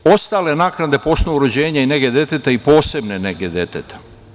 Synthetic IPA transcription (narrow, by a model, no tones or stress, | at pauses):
o̞st̪aːle̞naknad̪e̞po̞snouɾod͡ʑeːɲaineɡed̪e̞t̪et̪eipo̞ːse̞bneneɡed̪et̪et̪e̥